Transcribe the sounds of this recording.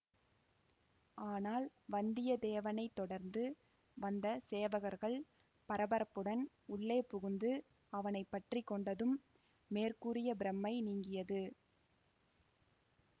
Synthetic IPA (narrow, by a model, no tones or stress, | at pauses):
aːnaːlʋɐnd̪ɪjɐd̪eːʋɐnɐɪt̪ːɔɽɐɾnd̪ɯ | ʋɐnd̪ɐseːʋɐɣɐɾɣɐɭ | pɐɾɐbɐɾɐpːɯɽɐn | ʊɭːeːpʊɣɯnd̪ɯ | ɐʋɐnɐɪpːɐʈrikːɔɳɖɐðɯmː | eːrkuːɾɪjɐbɪɾɐmːɐɪniːŋɡɪjɐðɯ